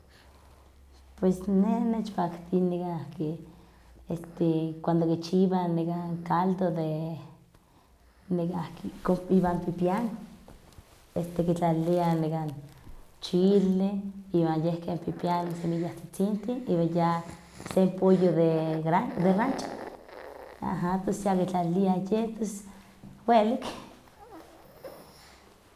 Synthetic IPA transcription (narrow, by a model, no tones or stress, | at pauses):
pwesnenet͡ʃpakt̪iniɡaahke | est̪ekwand̪okit͡ʃiβaniɡaŋkald̪od̪e | nikakikoiβampipjaŋ | est̪ekit͡ɬalianikant͡ʃileiβanjehkempipjanosemijaht͡si̥t͡sint̪iiβaja | sempojoðeɾad̪erant͡ʃḁ | a̰ɦap̪osjakit͡ɬaliajep̪es | wwelik